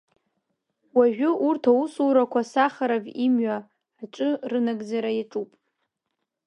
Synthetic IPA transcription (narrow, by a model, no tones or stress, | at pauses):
waʒᶣʊʔurtʰausuɾakʷʰasaχaɾavimɥa | aʈ͡ʂʷʼɨrɨnaɡʼd͡zaɾajaʈ͡ʂʼupʼ